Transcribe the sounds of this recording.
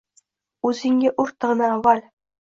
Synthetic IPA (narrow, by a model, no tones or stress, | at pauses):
uzʲinʲɡʲeʔurt̪ːɤ̆ʁ̆nɤːʋɑlʲ